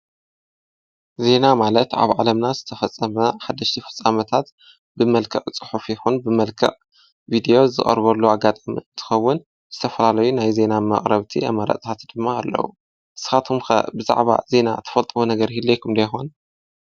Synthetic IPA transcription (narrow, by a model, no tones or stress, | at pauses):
ze̞namalɐt̪a̰βʕalɐmnazɨt̪ʰɐfɐt͡sʼːɐmɐħad̪ːɐʃt̪ʰifɨ̥t͡sʼːamɐt̪ʰat̪ | bɨmɐlkʰɐχʼt͡sʼɨ̥ħufjɪxunbɨmɐlkʰɐ̰ʔʼ | vid̪ijo̞zɨ̰χʼɐ̰ɾβɐlːuaɡat̪ʼamḭnt̪ʰɨ̥xɐwːʊn | z̥ɨt̪ʰɐfɐlalɐjunajze̞namɐ̰χʼɾɐβt̪ʰiɐ̰mɐɾɐ̰t̪ʼt̪ʰat̪d̪ɨmːaːlːɐ̰wu | ʔɨsɨ̥xat̪ʰumxɐ̰bɨza̰ʕβa̰ze̞na̰t̪ʰɐ̥fɐlt̪ʼwonɐɡɐɾhilːejkʰɨmd̪ɐjxon